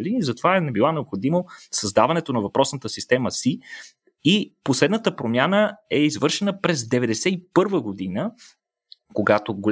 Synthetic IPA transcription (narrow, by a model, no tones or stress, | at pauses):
liizɐt̪ovaɛnɛbilˠanɛopxod̪imosɐzd̪avɐnɛt̪onɐvɐpɾɔsnət̪əsist̪ɛməsi | iposlɛd̪nət̪əpɾomʲjanəɛizvɤɾʃɛnəpɾɛzd̪ɛvɛd̪ɛsɛipɤɾvəɡod̪inə | koɡat̪oɡolʲ